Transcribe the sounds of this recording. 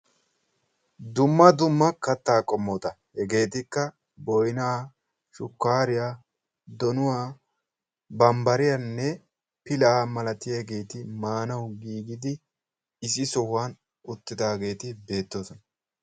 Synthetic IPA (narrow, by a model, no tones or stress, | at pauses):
d̪ʊmːɐd̪ʊmːɐkɐt̪ːaːkʼɔmːɔt̪ɐ | hɛɡe̞ːt̪ɪkːɐ | bɔjnaː | ʃʊkːaːɾɪjaː | d̪ɔnʊwaː | bɐmbɐɾɪjanːɛ | pɪlaːmɐlɐt̪ɪjɐhɡe̞ːt̪ɪmaːnɐwɡiːɡɪd̪ɪ | ɪsɪsɔhʊwaːn | ʊt̪ːɪd̪aːɡe̞ːt̪ɪbe̞ːt̪ːosɔnɐ